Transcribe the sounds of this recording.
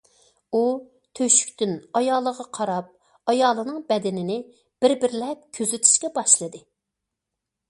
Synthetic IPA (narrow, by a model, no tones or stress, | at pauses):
u | t̪ʰøʃy̥kʲt̪ynɑjɑːlˠːəʁɑqʰɑɾɑp̚ | ɑjɑːlˠɨnɨŋbɛd̪ɪnɪnɪ | b̥ɪɾbɪɾlɛp̚kʲʰøzyt̪ʰi̥ʃkʲɛbɑʃlˠɨd̪ɨ